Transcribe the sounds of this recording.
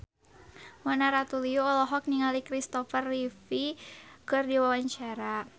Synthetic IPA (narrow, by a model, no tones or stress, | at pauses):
mɔnaɾat̪ulioɔlɔɦɔk̚niŋalikɾist̪ɔfərlifikɨrdiwawaɲt͡ʃaɾa